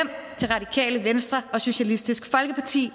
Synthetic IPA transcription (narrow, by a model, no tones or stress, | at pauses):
em̰t͡sʰe̝lʁɑ̈dikʰɛ̰ːləʋensd̥ʁɐɒ̽so̝ɕælisd̥isɡ̥fɒ̽lɡ̥əpʰɑ̈t͡sʰḭː